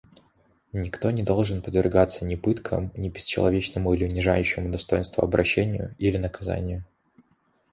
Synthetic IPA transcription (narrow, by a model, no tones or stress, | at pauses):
nʲɪkt̪o̞nʲɪd̪o̞lˠʐɨnpəd̪vʲɪrɡat̪sːənʲɪpɨt̪kʰə̰mnʲɪbʲɪsʲt͡ɕɪ̰lˠɐvʲet͡ɕnəmʊilʲɪʊnʲɪʐa̰jʉɕːɪmʊd̪ɐst̪o̞jɪnst̪vʊ̰ɐbɾɐɕːenʲɪjʊ̰ilʲɪnəkɐza̰nʲɪjʊ